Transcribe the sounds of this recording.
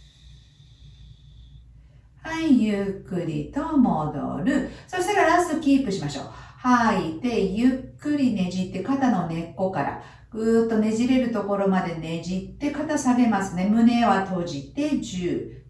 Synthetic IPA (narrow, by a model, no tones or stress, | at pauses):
haijɯkːɯ̟ɾʲḭt̪o̞mod̪o̞̰ɾɯ̟soseɾaɾasɨkʲiːpɯ̟ɕimaɕo̞̰ːhait̪e̞jɯkːɯ̟ɾʲine̞ʑit̪ːe̞kat̪ano̞ne̞kːo̞kaɾa̰ | ɡɯ̟ːt̪ːo̞ne̞ʑiɾe̞ɾɯ̟t̪o̞ko̞ɾo̞mad̪e̞ne̞ʑit̪ːe̞kat̪asaɡe̞masɨne̞mɯ̟ne̞βat̪o̞ʑit̪e̞d͡ʑɨː